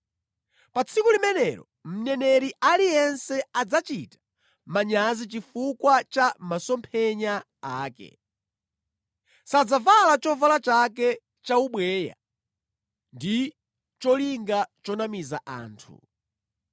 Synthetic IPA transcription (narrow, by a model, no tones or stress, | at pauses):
pat͡sʰikulimɛnɛɾɔ | m̩nɛnɛɾiʔalijɛnsɛad͡zat͡ʃitḁ | maɲazit͡ʃifukwat͡ʃamasɔmpʰɛɲa | aːkɛ̰ | sad͡zavalat͡ʃɔvalat͡ʃak̬ɛ | t͡ʃauɓwɛːja̰ | ndi | t͡ʃɔliŋɡat͡ʃɔnamizaʔa̰ːntʰṵ